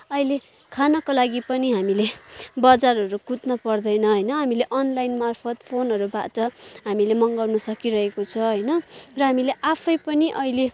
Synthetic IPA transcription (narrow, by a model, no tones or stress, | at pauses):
ʌjle | kʰanʌkolaɡipʌniɦamilebʌd͡zarʌɾukut̪nʌpʌrd̪ʌjnʌɦʌjnʌɦamileʔʌnlajnmarpʰʌt̪pʰonɦʌɾuba̰ʈʌɦamilemʌŋɡʌwnʌsʌkiɾʌɦekot͡sʰʌɦʌjnʌrʌɦamileʔapʰʌjpʌniʔʌile